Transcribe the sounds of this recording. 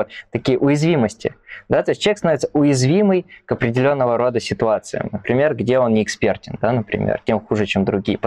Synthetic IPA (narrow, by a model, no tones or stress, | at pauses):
ot̪t̪ːɐkʲijəʔʊjɪzvʲiməsʲtʲɪ̰d̪at̪o̞ɪsʲt̚ʲt͡ɕʲeksnovɪt̪səʊjɪzvʲiməjkəpɾʲɪdʲɪlʲo̞nːəvəɾo̞d̪əsʲɪt̪ʊat̪sɨ̰ɪ̰mnəpɾʲɪmʲe̞rɡdʲe̞o̞nnʲɪɪkspʲe̞rtʲɪnd̪anəpɾʲɪ̰mʲḛrtʲe̞mxuʐɨt͡ɕemd̪ɾʊɡʲijəp